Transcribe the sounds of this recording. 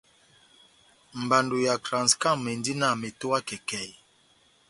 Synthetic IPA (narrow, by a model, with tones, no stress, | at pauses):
m̩˨ba˨ndu˨ja˨kɾã˨ska˦˨me˨ndi˦na˦˨mi˨to˦wa˦kɛ˨kɛ˨